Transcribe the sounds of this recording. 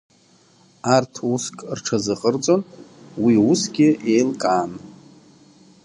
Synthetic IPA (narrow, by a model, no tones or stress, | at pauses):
artʰuskʼrʈ͡ʂʰazɨqʼərt͡sʼo̞n | wiusɡʲɪe̞jlkʼaːn